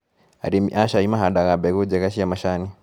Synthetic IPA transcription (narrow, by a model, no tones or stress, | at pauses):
a̰ɾimḭʔaʃaimaɦaɗaɣabɛud͡ʒɛkaʃijamaʃani